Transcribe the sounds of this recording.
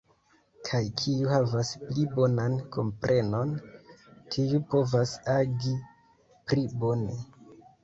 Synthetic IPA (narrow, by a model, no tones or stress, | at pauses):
kʰajkʰiuhavasplibo̞nanko̞mpɾʔe̞no̞n | tʰiupo̞vasaɡi | pɾibo̞ne̞